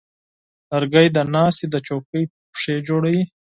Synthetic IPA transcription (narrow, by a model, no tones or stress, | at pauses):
lɐɾɡajd̪anɑːst̪id̪ət͡ʃokəj | ʂed͡ʒoɽawi